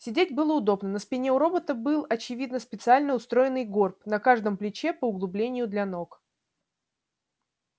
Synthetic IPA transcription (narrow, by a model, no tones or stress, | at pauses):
sʲɪdʲetʲbɨlˠəʊd̪o̞bnənəspʲɪnʲeʊɾo̞bət̪əbɨlˠɐt͡ɕɪvʲid̪nəspʲɪt̪sɨalʲnəʊst̪ɾo̞jɪnɨjɡo̞rp̚nɐkaʐd̪əmplʲɪt͡ɕepəʊɡlˠʊblʲenʲɪjʊd̪lʲano̞k